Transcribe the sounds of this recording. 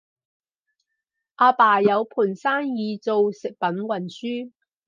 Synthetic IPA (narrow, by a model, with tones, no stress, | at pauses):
ʔaː˧paː˨˩jɐ˨˧wpʰuː˨˩nsaː˥njiː˨˧t͡so˨˧wsɪ˨k̚pɐ˨˥nwɐ˨˩nsyː˥